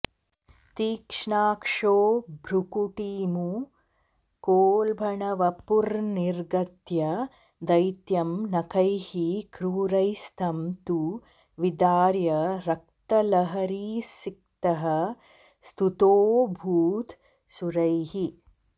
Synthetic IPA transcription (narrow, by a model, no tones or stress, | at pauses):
t̪iːkʂɳaːkʂoːbʱɾukuʈiːmu | koːlbʱɐɳɐʋɐpuɾniɾɡɐt̪jɐ | d̪ɐjt̪jɐmnɐkʰɐjhikɾuːɾɐjst̪ʰɐmt̪u | ʋid̪aːɾjɐɾɐk̚t̪ɐlɐɦɐɾiːsik̚t̪ɐɦɐ | st̪ʰut̪oːbʱuːt̪ | suɾɐjɦi